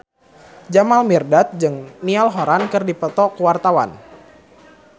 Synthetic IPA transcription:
d͡ʒamalmirdat̪̚d͡ʒɨŋnialɦoɾankɨrdipət̪ɔkuwart̪awa̰n

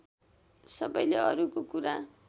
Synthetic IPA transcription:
sʌbʌjleʌɾukokuɾa

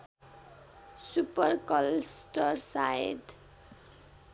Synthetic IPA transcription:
supʌrkʌlsʈʌrsaed̪

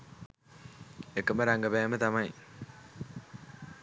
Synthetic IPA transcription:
ekːɐməɾaŋɡɐbɛːmət̪ɐmɐi

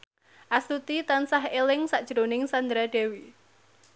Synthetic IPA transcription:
ʔast̪ut̪it̪ansaɦelɪŋsaʔd̥ʒ̥ɾonɪŋsand̪ɾaɖ̥e̤wi

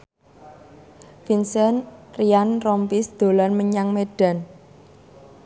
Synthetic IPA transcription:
finsɛnrianrɔmpisd̪̥o̤lɔnməɲaŋmeɖ̥a̤n

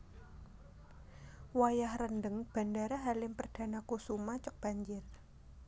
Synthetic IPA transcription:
wajahrəndəŋb̥a̤ndaɾaɦalɪmpərd̥a̤nakusumat͡ʃɔk̚b̥a̤ɲd͡ʒɪr

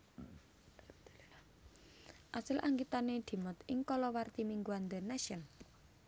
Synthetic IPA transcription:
ʔasɪlʔaŋɡit̪aned̪̥i̤mɔt̪ɪŋkɔlɔwart̪imiŋɡuand̪ənaʃən

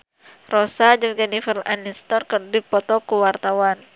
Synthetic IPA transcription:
rɔsad͡ʒɨŋd͡ʒɛnifərlanist̪ɔrkərdipɔt̪ɔkuwart̪awan

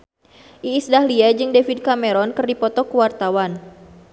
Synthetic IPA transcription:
ʔiːsdahliad͡ʒɨŋdefid̚kameɾɔnkɨrdipɔt̪ɔkuwart̪awan

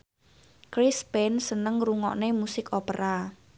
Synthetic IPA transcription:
kɾispɛnsənəŋruŋɔ̰ʔnemusɪkʰopəɾa

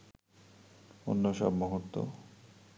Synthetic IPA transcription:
onːoʃa̰bmɔɦot̪ːo̰

